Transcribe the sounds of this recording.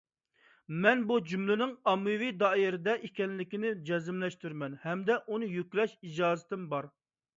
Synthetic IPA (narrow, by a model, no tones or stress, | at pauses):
mɛnbud͡ʒymlɪnɪŋɑmːɨvid̪ɑːiɾɪd̪ɛʔikʲɛnlɪkʲinɪd͡ʒɛzɪmlɛʃt̪yɾmɛnhɛmd̪ɛʔunɨjykʲlɛʃid͡ʒɑːzɨ̥t̪ʰɪmbɑɾ